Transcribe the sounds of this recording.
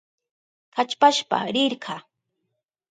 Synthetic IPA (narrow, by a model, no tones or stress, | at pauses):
kat͡ʃpaʃpa̰ɾɪɾɢʰɑː